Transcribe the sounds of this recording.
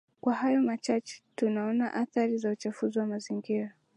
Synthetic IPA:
kwahajɔmat͡ʃat͡ʃɛ̥tunaɔnaʔaθaɾizaut͡ʃafuziwamaziŋɡiɾa

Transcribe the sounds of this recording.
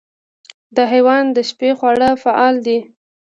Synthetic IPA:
d̪əɦajwɑnd̪əʃpexwaɽəfaʔɑld̪i

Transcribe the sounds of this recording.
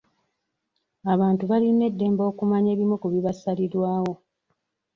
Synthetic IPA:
aβaːntuβaline̞dːe̞ːmbo̞ːkumaɲe̞ːβimekuβiβasalidwaːwo̞

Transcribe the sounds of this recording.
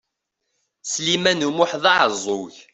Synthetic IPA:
slimænumʊħðɑʕəzˤːoç

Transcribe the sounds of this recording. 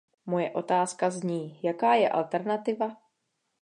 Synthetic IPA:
mo̞jɛʔo̞t̪aːskazɲiːjakaːjɛʔa̰lt̪ɛɾnat̪ɪva

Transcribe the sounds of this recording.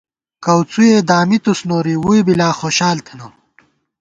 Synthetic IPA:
kɐwt͡sujed̪aːmit̪usnoːɾiwujbilaːxoːɕaːlt̪ʰɐnɐm

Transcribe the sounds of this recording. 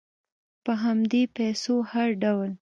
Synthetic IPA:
pəɦamd̪epɛsohaɾɖawl

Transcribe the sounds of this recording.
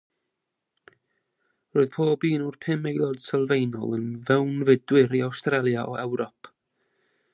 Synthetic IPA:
roːɨðpʰoːbiːnurpʰɪmejlˠɔd̥səlˠvejnɔ̰lˠənvɛwnvɪdwɪɾiawstrɛlˠjaʔɔʔɛwɾɔpʰ

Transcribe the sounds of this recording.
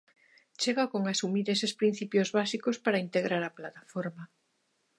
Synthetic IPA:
t͡ʃeɣakoŋasumiɾesespɾin̟θipjozβasikospaɾaint̪eɣɾaɾaplat̪afoɾma

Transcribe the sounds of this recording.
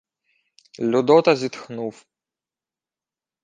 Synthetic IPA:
lʲɔd̪ɔt̪ɐzʲit̪xnuf

